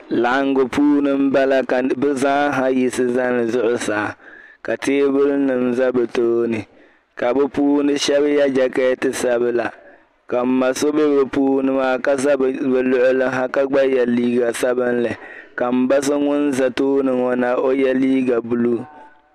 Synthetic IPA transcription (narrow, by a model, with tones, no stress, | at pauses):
la˨ʔŋ˦ɡʊ˨pʰuː˦nɨ˦m̩˦ba˦la˦ka˨bɨ˦zaː˦ɦa˦ji˦sɨ˦za˦nɨ˨zʊ˦ʔʊ˦saː˨ka˨teː˦bɨ˦lnɨ˨n˦za˦bɛ˨toː˦nɨ˨ | ka˨bɛ˦puː˦nɨ˦ʃɛ˦βja˦d͡ʒa˨kɛː˦tɨ˨sa˦bɨ˦la˨ | ka˨m̩˦ma˨so˦be˦bɨ˨puː˦nɨ˦maː˦ka˦a˦bɛ˨lʊ˨ʔʊ˨lɨ˦ɦa˦ka˦ɡ͡ba˦jɛ˨liː˦ɡa˨sa˦bɨ˦nlɨ˨ka˨m̩˨ba˦sɨ˦ŋʊ˦n˦za˨toː˦nɨ˨ŋɔ˨na˨o˦jɛ˦liː˦ɡa˨bu˨lu˦